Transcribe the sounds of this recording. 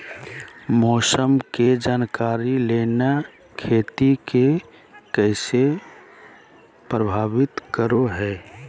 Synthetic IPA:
mɔːsəmked͡ʒaːnkaːɾileːna | kʰeːt̪ike | kɛɪse | pɾəbʱaːʋɪt̪kəɾoɦɛː

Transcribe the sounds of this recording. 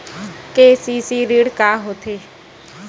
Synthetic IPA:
keːsiːsiːɾiːɽkaːɦoːt̪ʰeː

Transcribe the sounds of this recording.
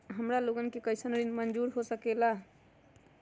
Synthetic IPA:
ɦəmɾaloɡənkekəɪsənɾinmənd͡ʒuɾɦosəkɛla

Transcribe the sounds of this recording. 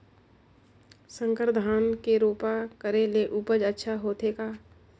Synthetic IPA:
sə̃ŋkəɾd̪ʱaːnkeɾoːpakəɾeleʔuːpəd͡ʒətːʃʰaɦoːt̪eːkaː

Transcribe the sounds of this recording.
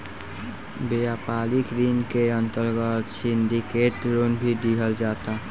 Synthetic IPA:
bejapaːlikɾinkeə̃nt̪əɾɡət̪sɪnd̪iket̪ɾoːnbʱid̪iɦəld͡ʒaːt̪a

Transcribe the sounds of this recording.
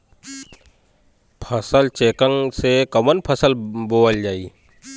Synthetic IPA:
pʰəsəlt͡ʃeːkə̃ŋsekəmənpʰəsəlboːəld͡ʒaːi

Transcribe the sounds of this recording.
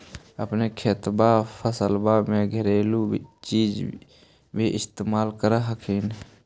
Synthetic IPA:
əpnekʰeːt̪bapʰəsəlbamẽɡʱəɾeːlut͡ʃiːd͡ʒ | bʱiʔɪst̪eːmaːlkəɾɦəkʰiːn

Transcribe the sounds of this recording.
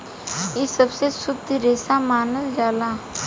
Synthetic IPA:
jesəbsesʊd̪ʱɾeːsamaːnəld͡ʒaːlaː

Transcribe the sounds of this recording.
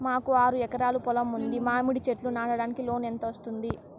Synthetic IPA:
maːkuaːɾuɛkɐɾaːlupɔlɐmund̪imaːmuɽit͡ʃeʈlunaːɽɐɽaːnikilo̞ːnent̪ɐʋɐst̪und̪i

